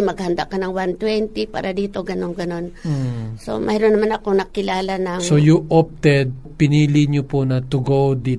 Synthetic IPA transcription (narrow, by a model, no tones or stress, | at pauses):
mɐɡ̚hɐnd̪a̰kɐnɐŋwant̪wɛnt̪ipa̰ːɾɐd̪iːt̪o̞ɡɐno̞ŋɡɐno̞nso̞̰mʔɛjɾonːɐmanɐkonɐkɪlaːlanɐŋsojuʔop̚t̪ɛd̪̚ | pɪniːlɪɲoponɐt̪ʊɡowd̪i